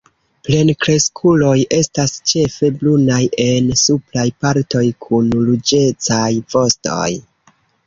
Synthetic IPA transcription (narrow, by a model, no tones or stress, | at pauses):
ple̞nkɾe̞skʰulo̞jʔe̞stast͡ʃe̞fe̞blunajʔe̞nsuplajpaɾto̞jkʰunlud͡ʒe̞t͡sajvo̞sto̞̰j